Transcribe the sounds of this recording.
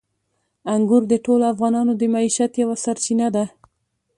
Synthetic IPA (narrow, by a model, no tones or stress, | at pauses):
aŋɡuɾd̪əʈoloafɣɑnɑnod̪əmaiʃat̪jawasaɾt͡ʃinad̪a